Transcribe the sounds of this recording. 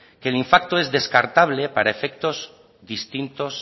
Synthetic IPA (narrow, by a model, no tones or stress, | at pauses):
keliɱfak̚t̪oe̞zðe̞skaɾt̪aβ̞le̞paɾaefe̞k̚t̪o̞z | ðist̪int̪o̞s